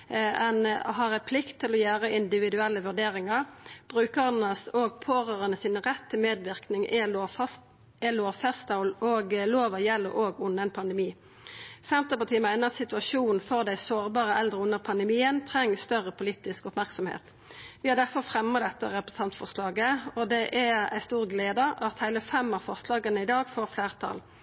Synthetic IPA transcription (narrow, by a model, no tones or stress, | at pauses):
ɛnɦɑʁɛpʰlɪkt̪ʰːɪlɔjæːʁəɪnd̪ɪʋɪd̪ʉɛlːəʋʉɖ̪eːʁɪŋɑʁb̥ʁʉːkəʁənəsoːɡ̚pʰoːʁəːʁənəsiːnəʁɛt̪ʰːɪmeːd̪ʋɪʁknɪŋʔɛos | ɛloːfɛst̪ɑʊloːɡloːʋɑjɛlːə̰ʔoːɡʊnːəɛnpʰɑnd̪əmiː | sɛnt̪əʁpɑʈ̪ʰiːəmæɪnəʁɑt̪sɪt̪ʉɑʃuːnn̩fɔʁd̪æɪsoːʁbɑːʁəʔɛld̪ʁəʊnːəʁpʰɑnd̪əmiːənt̪ʰʁɛŋːəst̪œʁəpʊliːt̪ɪskɔpmæʁksɔmhḛːt̪ | ʋɪhɑʁd̪æʁfɔʁfʁɛmɑd̪ɛt̪ːəʁɛpɾəs̩t̪ɑnt̪fɔʁslɑːɡəɔd̪ɛʔææɪst̪uːʁɡleːd̪əʔɑt̪hæɪləfɛmːɑfɑslɑːɡənəɪd̪ɑːɡfoːʁfleːʁt̪ʰɑ̰ːl